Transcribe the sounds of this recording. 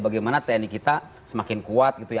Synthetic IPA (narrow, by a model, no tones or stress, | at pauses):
baɡajmanat̪ɛnikit̪a | səmakɪnkuat̪̚ɡit̪uja